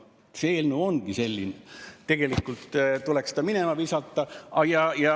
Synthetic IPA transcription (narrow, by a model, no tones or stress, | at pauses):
feːlnuːonɡ̥ise̞lʲːinet̪e̞ɡ̥e̞likːult̪t̪ulekst̪ɑminemɑʋiːsɑt̪ːˑɑɑjɑjɑ